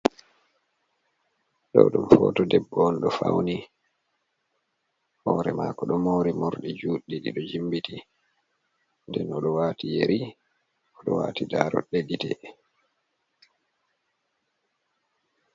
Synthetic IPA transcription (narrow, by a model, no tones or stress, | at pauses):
ɗɔɗumfɔːtɔdɛbːɔnɗɔfawni | hɔːɾɛmaːkɔɗɔmoːɾimɔɾɗid͡ʒuːɗːiɗiɗɔd͡ʒimbiti | ndɛnɔɗɔwaːtijeɾi | ɔɗɔwa̰ːtidaːɾɔ̰ɗeɡitɛ